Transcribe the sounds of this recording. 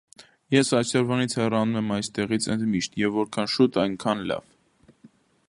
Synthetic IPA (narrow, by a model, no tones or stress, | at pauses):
jɛsɑsɛɾvɑnit͡sʰhɛrɑnumɛmɑjst̪ɛʁit͡sʰɛnd̪miʃt̪jɛvːɔɾkʰɑnʃut̪ɑjŋkʰɑnlɑ̰v